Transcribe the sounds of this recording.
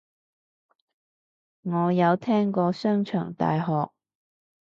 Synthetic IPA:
ŋɔː˨˧jɐ˨˧wt̪ʰɛː˥ŋkɔː˧sœː˥ŋt͡ʃʰœː˨˩ŋt̪a̰ː˨jɦɔː˨k̚

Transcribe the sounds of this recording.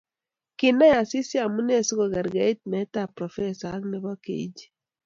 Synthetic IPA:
kɪ˨na˦ja˨si˦si˦a˨mu˦ne˦˨su˦ɡɔ˨ɡa˨ɾɡa˨˦i˦t̚mɛ˨˦ta˦˨pɾɔ˨fɛ˦sa˨˦ŋnɛ˨bɔ˦kḛ˨˦d͡ʒi̥˦

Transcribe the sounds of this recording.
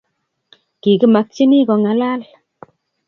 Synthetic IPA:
ki˨ki˦ma˧k̚t͡ʃi˦ni˦kɔ˨˧ŋa˨la˦l

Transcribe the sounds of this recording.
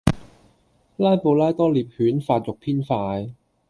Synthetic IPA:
laː˥jpo˨˧wlaː˥jt̪ɔː˥liː˨˩p̚hyː˨˥nfaː˧t̚t͡sʊ˨k̚pʰiː˥nfaː˧j

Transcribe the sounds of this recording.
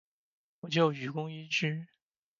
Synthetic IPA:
wɔ˨˩t͡ɕjo˥˩ʊy˨˩kʊ˥ŋi˥ʈ͡ʂɻ̩˥

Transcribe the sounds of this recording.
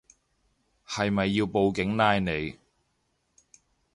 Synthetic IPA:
hɐ˨jmɐ˨jːiː˧wpo˨˧wkɪ˨˥ŋnaː˧jne˨˧j

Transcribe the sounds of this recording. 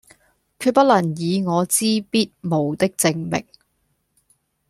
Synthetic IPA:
kʰyː˧pɐ˥t̚lɐ˨˩njiː˨˧ŋɔː˨˧t͡siː˥piː˥t̚mo˨˩wt̪ɪ˥k̚t͡sɪ˧ŋmɪ̰˨˩k̚

